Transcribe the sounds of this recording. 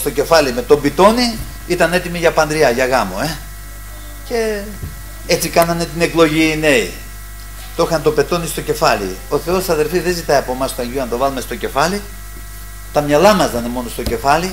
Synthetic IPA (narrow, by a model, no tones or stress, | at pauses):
st̪o̞ce̞fɐlime̞t̪o̞mbit̪o̞ni | it̪ɐne̞t̪imiʝɐpɐnd̪ɾiɐʝɐɣɐmo̰e̞ | ce̞ | et͡sikɐnɐne̞t̪ine̞klo̞ʝine̞ḭ | t̪o̞xɐnt̪o̞pe̞t̪o̞nist̪o̞ce̞fɐlḭo̞θe̞o̞sɐðe̞lfiðe̞zit̪ɐiɐpo̞mɐst̪oɐɲʝuɐnt̪o̞vɐlumest̪o̞ce̞fɐli | t̪ɐmɲɐlɐmɐzðɐnemo̞no̞st̪oce̞fɐli